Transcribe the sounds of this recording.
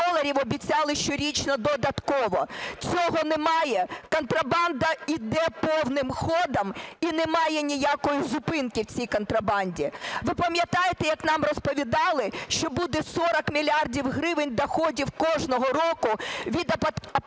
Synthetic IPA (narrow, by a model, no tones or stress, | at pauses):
ɔlˠɐɾʲiwɔbʲit͡sʲɑlˠɪʃt͡ʃɔɾʲit͡ʃnɔd̪ɔd̪ɐt̪kɔʋɔt͡sʲɔɦɔnɛmɑjɛkɔnt̪ɾɐbɑnd̪ɐid̪ɛpɔwnɪmxɔd̪ɐminɛmɑjɛnʲijakɔjizʊpɪnkɪwt͡sʲijkɔnt̪ɾɐbɑnʲdʲiʋɪpɐmʲjɐt̪ɑjet̪ɛjɐknɑmrɔspɔʋʲid̪ɑlˠɪʃt͡ʃɔbud̪ɛsɔɾɐkmʲilʲɑrdʲiwɦɾɪʋɪnʲd̪ɐxɔdʲiwkɔʐnɔɦɔrɔkʊʋʲid̪